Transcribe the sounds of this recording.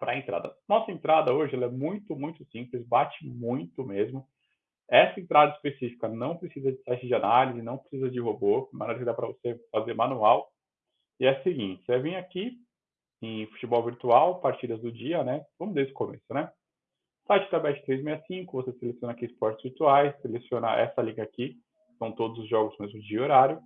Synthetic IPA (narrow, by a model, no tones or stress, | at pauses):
pɾɐẽnt̪ɾa̰d̪ɐnɔsɐẽnt̪ɾad̪ɐoʒɪɛlɐɛmũj̃t̪ʊmũj̃t̪ʊsĩplɪzbat͡ʃɪmũj̃t̪ʊmezmʊ | ɛsɐẽt̪ɾad̪ɐɪspesifi̥kɐnɐ̃w̃pɾesizɐd͡ʒɪsajt͡ʃɪd͡ʒɪanalizɪnɐ̃w̃pɾesizɐd͡ʒɪɦoboɪmɐ̰̃nejɾɐkɪd̪apɾɐvosefazeɾmãnuaw | ɪɛɐsɪɡĩnt͡ʃɪsɛvĩj̃aki | ẽj̃fu̥t͡ʃɪbɔwviɾt̪uawpaɾt͡ʃid̪ɐzd̪ʊd͡ʒiɐnɛvɐ̃mʊzd̪esɪ̥komesʊnɛ | sajt͡ʃɪt̪abɛt͡ʃɪ̥t̪ɾejzmejɐsĩŋkʊvoseselesjõnɐakiɪspɔɾt͡ʃɪz̥viɾt̪uajsːelesiõna̰ʔɛ̰sɐliɡɐaki | sɐ̃w̃t̪od̪ʊzʊzʒɔɡʊzmezmʊd͡ʒɪɪoɾaɾjʊ